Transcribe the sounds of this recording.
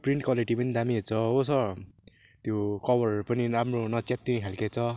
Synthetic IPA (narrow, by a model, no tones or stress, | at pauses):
priɳʈ̚kwaliʈipʌnid̪amiɦet͡sʰʌosʌr | t̪jokʌbʌrpʌniɾamronʌt͡sjat̪ːikʰalket͡sʰʌ